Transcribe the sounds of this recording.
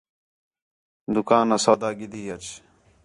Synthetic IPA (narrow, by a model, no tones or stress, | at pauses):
d̪ʊkaːnɐsaːd̪aːɡid̪iːjɐt͡ʃ